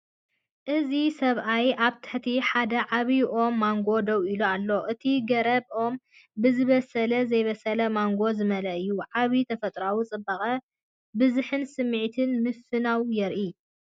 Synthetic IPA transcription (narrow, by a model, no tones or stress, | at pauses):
ʔɨzisɐβʔajʔaβt̪ʰɨ̥ħt̪ʰiħad̪ɐʕaβiʔo̞mːaŋɡo̞d̪ɐwiloalːo̞ʔɨt̪ʰiɡɐɾɐbʔo̞m | bɨzɨβɐsɐlɐzɐjβɐsɐlɐmaŋɡo̞zɨmɐlɐʔɨjːuʕaβit̪ʰɐfɐt̪ʼɾawit͡sʼɨbːaxʼɐ | bɨzuħɨnsɨmːɨʕit̪ʰɨnmɨfɨnawjɛɾʔi